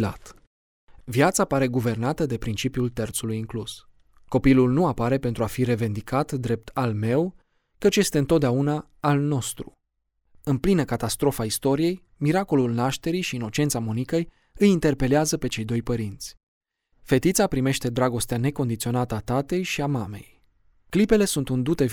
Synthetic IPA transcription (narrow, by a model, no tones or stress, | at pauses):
la̰t̪ | vjat̪sapaɾe̞ɡuve̞rnat̪əd̪e̞pɾint͡ʃipiult̪ert̪sulujiŋklus | ko̞pilulnuapaɾe̞pent̪ɾuafiɾe̞ve̞nd̪ikʰat̪d̪ɾe̞p̚t̪ʰalme̞w | kət͡ʃje̞st̪e̞ɨnt̪ot̪̚d̪eaunaː | lno̞st̪ɾṵ | ɨnplinəkat̪ast̪ɾo̞faist̪o̞ɾije̞j | miɾako̞lulnaʃt̪e̞ɾijʃiːno̞t͡ʃe̞nt̪samonikej | ɨjint̪e̞rpe̞leazəpe̞t͡ʃe̞jd̪o̞jpəɾint̪sʲ | fe̞t̪it̪sapɾime̞ʃt̪e̞d̪ɾaɡo̞st̪eane̞ko̞nd̪it̪sio̞nat̪əat̪at̪e̞jʃiamame̞j | klipe̞le̞sunt̪und̪ut̪e̞